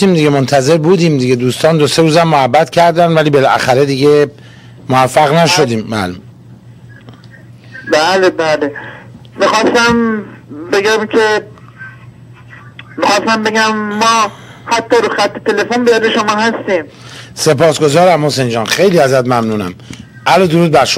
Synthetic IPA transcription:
iːmd̪iɡemont̪ʰæze̞ɾbuːd̪iːmd̪iɟed̪uːst̪ɒːnd̪oseɾuːzæmːohæbːæt̪cʰæɾd̪ænd̪væliːbe̞lʔæ̰xæɾed̪iɟe | mohæfːæɣnæʃo̞d̪iːmːæ̰lum | bæːlebæːle | mixɒːst̪æmbeɡæmkʰe̞ | mixɒːst̪æmbe̞ɡæmːɒːhæt̪ʰːɒːɾuxæt̪ʰːet̪ʰe̞le̞fonbijɒd̪eʃomɒːhæst̪iːm | se̞pʰɒːsɡo̞zɒːɾæmho̞send͡ʒɒːnxe̞jliːæzæt̪mæmnuːnæ̰m | ʔælɒd̪oɾuːd̪̚bæɾʃo

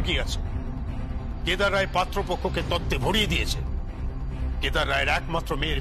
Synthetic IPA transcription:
ɡiat͡ʃʰe̥ | ked̪aɾːajepat̪ɾɔpokʰoket̪ɔt̪ːebʱoɽied̪iet͡ʃʰe | ked̪aɾːajɾɛkmat̪ːɾɔmeɾ

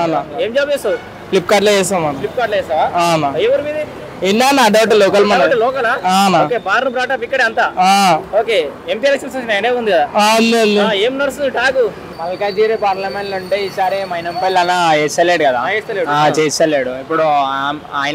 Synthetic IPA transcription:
anaeːmd͡ʒaːbeːsɐu | klipːkaːɾɖlod͡ʒɛːsaːmɐnlip̚ːkaːɾɖloɛːsaːʋaːaːnajeʋɐɾmiːd̪i | inɖaːnaːɖɐwʈuloːkɐlmɐɳɐʈɐlɔːkɐlaːaːnaokeːbaːɾnubɾaːʈaːp̬ikːɐɽeɐnt̪aːaːoːkeːempijelekʂɐnsɐɐnaːjɐneːund̪ikɐd̪aːaɐnd̪iɐnd̪ieːmnɐɾsund̪iʈaːku | mɐlkaːd͡ʒ̪iːɾepaːɾlɐmeɳʈluɳʈeːiːsaːɾimɐjnɐmpɐjlɐnaest͡ʃɐleɽukɐd̪aːeːst̪ɐleːɽuat͡ʃeːsɐleːɽuipːuɽuaaːj

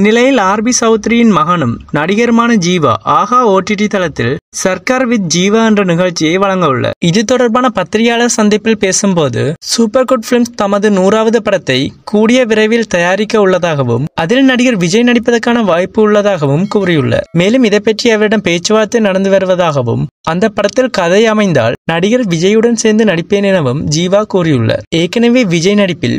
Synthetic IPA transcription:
nːɪlɐjɪlaːɾbisɐʊt̪ːɾɪjɪnmɐɣɐɳɯmnɐɽɪɣɐɾɯmaːnɐd͡ʒiːʋɐ̰ʔaːɣaːoːʈːɪʈ̬ːit̪ɐlɐt̪ːɪ̰lsɐɾkaːɾʋɪt̪̚d͡ʒiːʋɐɛndrɐnɪɣɐɭt͡ʃːɪjɐɪʋɐɭɐŋɡɐɯɭːɐ̰ɪðɯt̪ːɔɽɐɾbaːnɐpɐt̪ːɪɾɪjaːɭɐsɐnd̪ɪpːɪlpeːsɯmpoːðɯ̰suːpːɐɾkoːʈfɪlmst̪ɐmɐðɯnuːraːʋɐðɯpɐɽɐt̪ːɐɪkuːɽɪjɐʋɪɾɐɪʋɪlt̪ɐjaːɾɪkːɐʊɭːɐðaːɣɐʋɯ̰mɐðɪlnɐɽɪɣɐɾʋɪd͡ʒɐjnɐɽɪpːɐðɐɾkːaːnɐʋaːjpːɯːɭːɐðaːɣɐʋɯmkuːrɪjɯɭːɐ̰meːlɯmɪðɐɪpːɐʈrɪjɐʋɐɾɪɽɐmpeːt͡ʃːɯʋaːt̪ːɐɪnɐɽɐnd̪ɯʋɐɾɯʋɐðaːɣɐʋɯ̰mɐnd̪ɐpːɐɽɐt̪ːɪlkɐðɐɪɐmɐɪnd̪a̰ːlnɐɽɪɣɐɾʋɪd͡ʒɐjɯɽɐnseːɾnd̪ɯnɐɽɪpːeːnɪnɐʋɯmd͡ʒiːʋaːkuːrɪjɯɭːɐ̰eːkːɐnɐʋeːʋɪd͡ʒɐjnɐɽɪpːɪ̰l

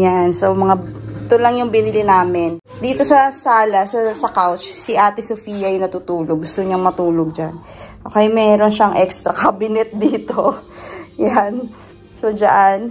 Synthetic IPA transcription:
jansomɐŋat̪olɐŋjʊŋbɪnɪlɪnaːmɪn | d̪iːt̪o̞sɐsaːlɐsɐsɐkawt͡ʃsɪʔaːt̪ɪsofiːjɐjnɐt̪ut̪uːloɡ̚ʊst̪oɲɐŋmɐt̪uːloɡ̚d͡ʒan | ʔoːkɛjmɛːɾo̞nʃɐŋʔɛkst̪ɾɐkabɪnɛt̪̚d̪iːt̪o | jan | sod͡ʒaʔan

